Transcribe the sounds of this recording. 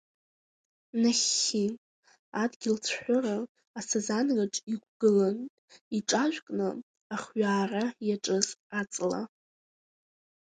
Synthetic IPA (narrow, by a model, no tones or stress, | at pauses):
naχʲi | adɡʲɪlt͡sʰħʷʊraː | sazanɡaʈ͡ʂʼiɡ̚ʷɡ̥ɨlan | iʈ͡ʂʼaʒʷᶣkʼnɨ | aχɥaːrajaʈ͡ʂʼɨzat͡sʼla̰